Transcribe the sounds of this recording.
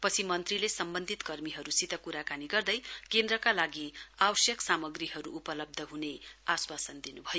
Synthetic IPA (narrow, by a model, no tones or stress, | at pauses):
pʌt͡sʰimʌnt̪rilesʌmbʌnd̪ʱit̪kʌrmiɦʌɾusit̪ʌkuɾakaniɡʌrd̪ʌjkend̪rʌkalaɡiawʌsjʌksamʌɡriɦʌɾuʔːpʌlʌb̚d̪ʱʌɦuneaswasʌnd̪inubʱʌjo